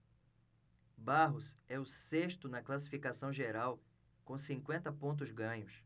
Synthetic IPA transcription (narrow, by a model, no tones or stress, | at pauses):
baɦʊzɛʊseʃt̪ʊnɐklasifikasɐ̃w̃ʒeɾaw | kõsĩŋkwẽnt̪ɐpõnt̪̬ʊzɡɐ̃ɲʊs